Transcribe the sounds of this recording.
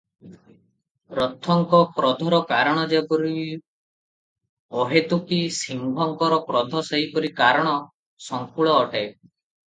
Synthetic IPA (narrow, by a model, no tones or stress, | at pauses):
ɾɔt̪ʰːɔŋkɔpɾɔd̪ʱɔɾɔkaɾɔɽ̃ɔd͡ʒebɔɾi | ɔɦet̪ukisiŋbʱɔŋkɔɾɔpɾɔd̪ʱɔseɦipɔɾikaɾɔɽ̃ɔ | sɔŋkuɭɔːʈe